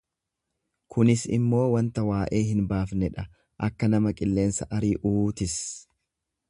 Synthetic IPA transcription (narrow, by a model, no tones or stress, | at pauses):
kʰʊnɪsɪ̰mːo̞ːwɐnt̪ɐwaːʔeːɦɪnbaːfnɛᶑɐ | ʔɐkːɐnɐmɐkʼɪlːe̞ːnsɐ̰ʔɐɾiːʔuːt̪ɪs